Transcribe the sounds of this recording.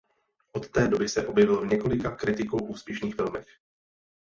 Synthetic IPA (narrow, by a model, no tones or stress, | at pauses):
ʔot̪ːɛːdo̞bɪsɛʔo̞bjɛvɪloɲɛko̞lɪkakɾɪt̪ɪkowʔuːspjɛʃniːxfɪlmɛx